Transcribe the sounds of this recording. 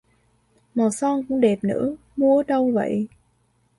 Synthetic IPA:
mɔ˨˩sɔ˧ŋkʊ̰˧˥ŋ͡mɗe˨˩p̚nɨ̰˧˥ | mu˧əɗə˧wvə̰˧˨j

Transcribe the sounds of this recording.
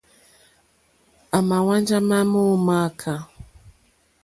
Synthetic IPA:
a˨ma˨wa˦nd͡ʒa˦ma˦mu˦˨ma˦kʰa˨

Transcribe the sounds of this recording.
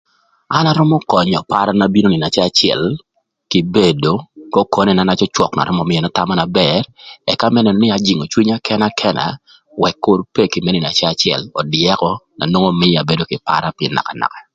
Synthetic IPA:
a˦na˦ɾɔ˦mɔ˦kɔ˨ɲɔ˨pa˦ɾa˦na˦bi˦no˦ni˨na˨t͡ʃɛ˦a˨t͡ʃjɛ̰˨l | ki˨be˨do˨˦kɔ˦kɔ˨nɛ˦˨na˦na˦t͡ʃɔ˦t͡ʃwɔ˨kna̰˨ɾɔ˦mɔ˨mɪ˦jɛ˨na˦ta˦ma˦na˨bɛrɛ˨ka˦mɛ˦nɛ˨nɔ˨nɪ˦a˨d͡ʒi˨ŋo˨t͡ʃwi˦ɲa˦kʰɛ˦na˦kʰɛ˦na̰˨ | wɛ˨kːʊ˨rpe˦ki˨me˦ni˨n˨a˨t͡ʃɛ˦a˨t͡ʃɛ̰˨lɔ˨djɛ˦kɔ˦na̰˨nwo˦ŋo˦mɪ˦ja˨be˨do˦kɪ˨pa̰˦ɾa˦pɪɛ˨nːa̰˨ka˨na̰˨ka˨

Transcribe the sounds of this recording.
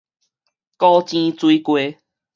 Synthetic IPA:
kɔ˦t͡ɕĩ˦t͡swi˦kwe˦

